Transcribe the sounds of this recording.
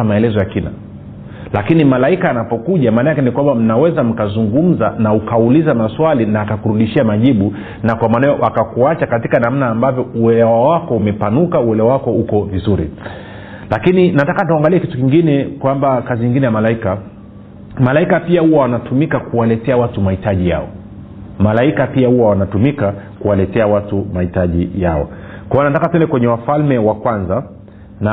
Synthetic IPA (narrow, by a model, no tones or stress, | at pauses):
maɛlɛzɔjakina̰ | lakinimalaikaanapɔkuʄamaːnajakɛnikwambam̩nawɛzam̩kazuŋɡum̩zanaukaulizamaswalinaːkakuɾuɗiʃiamaʄiɓu | nakwamaːnajɔʔakakuat͡ʃakatikanam̩naːmbavjɔuɛlɛwawakɔumɛpanukauɛlɛwawakɔukɔvizuɾḭ | lakininatakatuaŋɡaliɛkitukiŋɡinɛkwambakaziɲiŋɡinɛjamalaika | malaikapiahuwawanatumikakuwalɛtɛawatumahitaʄija̰ɔ̰ | malaikapiahuwawanatumikakuwalɛtɛawatumahitaʄijaɔ̰kwajɔnatakatsɛndɛkwɛɲɛwafalmɛwakwanza | na